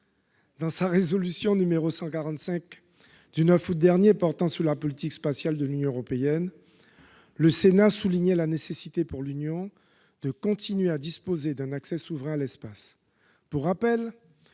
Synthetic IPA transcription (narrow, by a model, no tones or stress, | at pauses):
d̪ɑ̃saʁezɔlysjɔ̃nymeʁosɑ̃kaʁɑ̃t̪sɛ̃k | d̪ynœfut̪̚d̪ɛʁnjepɔʁt̪ɑ̃suʁlapɔlit̪ikspasjald̪əlynjɔ̃øʁɔpeɛn | ləsenasuliɲɛlanesesit̪epuʁlynjɔ̃ | d̪̥əkɔ̃t̪inɥead̪ispozed̪ɛ̃naksɛsuvʁɛ̃alɛspas | puʁːapɛl